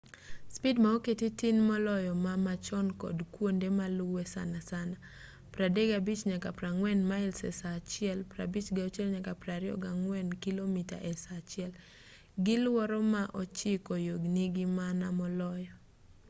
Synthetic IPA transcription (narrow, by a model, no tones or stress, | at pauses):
spidmaoketitinmɔlɔjɔmamat͡ʃɔnkɔ̰dkwondemalʊwɛsa̰nasana | pɾadeɡabit͡ʃɲakapɾaŋwɛnmaɪlsɛ̰sat͡ʃɪɛlpɾa̰bit͡ʃɡaɔt͡ʃɛlɲakapɾaɾɪɔ̰ɡaŋwɛnkilomita̰ʔɛsat͡ʃɪɛl | ɡɪlwɔɾɔmaʔɔt͡ʃɪkɔjoɡniɡɪmanamɔlɔjɔ